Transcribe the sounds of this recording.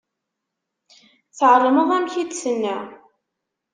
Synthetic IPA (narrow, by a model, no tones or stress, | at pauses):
θʕrˤəməðˤæmçid̪sənːæ